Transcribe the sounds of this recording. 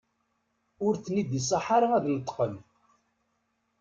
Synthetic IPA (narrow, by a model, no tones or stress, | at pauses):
ʊɾθnid̪is̬ˤɑħaɾaæðnət̪ˤːqən